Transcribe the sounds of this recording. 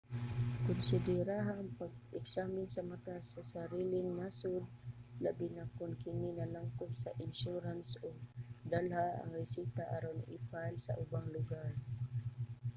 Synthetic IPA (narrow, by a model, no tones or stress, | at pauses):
kʊnsɪd̪ɛɾaɦaŋpaɡ̚ʔɛksamɪnsamat̪asasaɾilɪŋnasʊd̪̚labinakʊnkɪnɪnalaŋkʊt̪saʔɪnʃuɾansoɡ̚d̪alhaʔa̰ŋɾɪsit̪aʔaɾonḭpalsa̰ʔʊbaŋlʊɡaɹ